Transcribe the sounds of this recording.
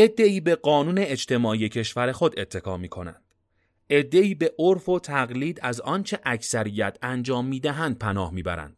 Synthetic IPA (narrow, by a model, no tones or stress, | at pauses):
ʔe̞d̪ːe̞iːbe̞ɢɒːnuːne̞ːd͡ʒt̪ʰe̞mɒːʔiːje̞cʰe̞ʃvæɾexo̞d̪e̞t̪ʰːe̞kʰɒːmiːkʰo̞næ̰nd̪̥ | ʔe̞d̪ːe̞iːbe̞ʔoɾfot̪ʰæɣliːd̪æzɒːnt͡ʃʰe̞ʔæcʰsæɾijæt̪ʰænd͡ʒɒːmːiːd̪æɦænd̪̚pʰænɒːhmiːbæ̰ɾæ̰nd̪̥